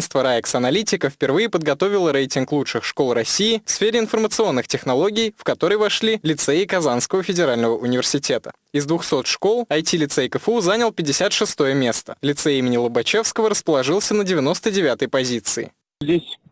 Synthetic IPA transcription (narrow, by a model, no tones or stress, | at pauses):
nst̪vəɾaɛksɐnɐlʲitʲɪkəfpʲɪrvɨjɪpəd̪ɡɐt̪o̞vʲɪlˠəɾejtʲɪnklˠutʂɨxʂkolˠrɐsʲijɪfsfʲeɾʲɪɪnfərmət̪sɨo̞nːɨxtʲɪxnɐlˠo̞ɡʲɪjfkɐt̪o̞ɾəjvɐʂlʲilʲɪt̪seɪkɐzanskəvəfʲɪdʲɪɾalʲnəvəʔʊnʲɪvʲɪrsʲɪtʲe̞t̪ə | ɪzd̪vʊxso̞t̪ʂko̞lˠɐjtʲilʲɪt̪sɛjkəfuzanʲəlˠpʲɪdʲɪsʲat̪ʂɨst̪o̞jəmʲe̞st̪əlʲɪt̪sɛimʲɪnʲɪlˠəbɐt͡ɕefskəvəɾəspəlˠɐʐɨlˠsʲənədʲɪvʲɪno̞st̪ədʲɪvʲat̪əjpɐzʲit̪sɨɪ̰ | zʲdʲesʲ